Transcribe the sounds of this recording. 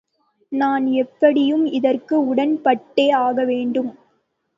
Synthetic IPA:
naːnɛpːɐɽɪjɯmɪðɐrkɯʊɽɐnpɐʈːeːaːɣɐʋeːɳɖɯm

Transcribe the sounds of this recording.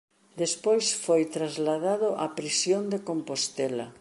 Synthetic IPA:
d̪espojsfojt̪ɾazlaðaðʊʔapɾisjõnd̪ekompost̪ɛlɐ

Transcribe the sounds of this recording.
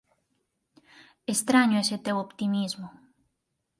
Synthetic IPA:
est̪ɾaɲoeset̪ewopt̪imizmo

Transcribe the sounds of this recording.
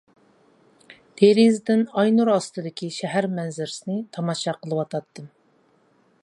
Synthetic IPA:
t̪ʰeɾizd̪ɪnɑjnuɾɑst̪ɨd̪ɪkʲiʃɛɦæɾmɛnzɪɾɪsɪnɪt̪ʰɑmɑʃɑqʰəlˠɨwɑt̪ʰɑt̪ːɨm

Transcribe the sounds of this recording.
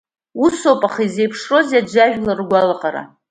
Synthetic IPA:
uso̞pʼaχizejpʰʂro̞zjad͡ʒaʒᶣlarɡʷalaqʼaɾa̰

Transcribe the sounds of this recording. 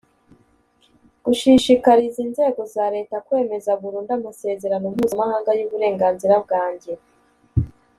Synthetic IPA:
ɡ̥uʃiʃikaɾizinze̞ːɡo̞zaɾe̞ːtakwe̞ːme̞zaɡuɾuːndamase̞ːze̞ɾanomuːzamahaːŋɡajuːβuɾe̞ːŋɡaːnziɾab̚ɡaːɲɟe

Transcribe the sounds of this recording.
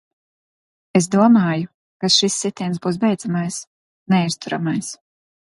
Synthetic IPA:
esd̪uɔmaːju | kasʃisːit̪ʲiɛnsbuːs̬bɛjd̪zamajs | nɛist̪uɾa̰majs

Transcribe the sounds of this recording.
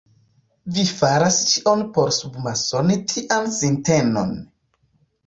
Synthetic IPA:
vifaɾast͡ʃiʔo̞npo̞ɾsubmaso̞nitʰiʔansinteno̞̰n

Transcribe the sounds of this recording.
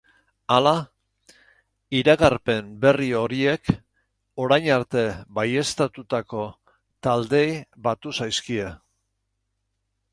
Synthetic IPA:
ala | iɾaɣarpe̞mbe̞rio̞ɾie̞k | o̞ɾajɲaɾt̪e̞baje̞st̪at̪ut̪ako̞ | t̪ald̪e̞jβat̪usajskie̞

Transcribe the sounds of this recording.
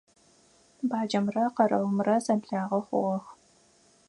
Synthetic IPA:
baːd͡ʒɐmrɐqɐɾɐwʊmrɐzɐbɮaːʁɐχʷʊ̰ʁɔx

